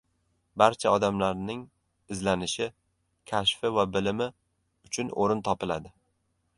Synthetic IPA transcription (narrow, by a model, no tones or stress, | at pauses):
baɾt͡ʃʰaɒd̪amlaɾnɪŋ | ɪzlanɪʃɪ | kʲʰaʃfɪvabɪlɪmɪ | ʊt͡ʃʰʊnoɾɪnt̪ʰɒpɪlad̪ɪ